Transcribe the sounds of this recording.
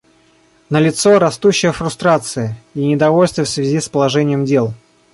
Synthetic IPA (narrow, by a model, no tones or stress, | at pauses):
nəlʲɪt̪so̞ɾɐst̪uɕːɪjəfɾʊst̪ɾat̪sɨjəinʲɪd̪ɐvo̞lʲst̪vʲɪfsvʲɪzʲispəlˠɐʐɛnʲɪjəmdʲe̞lˠ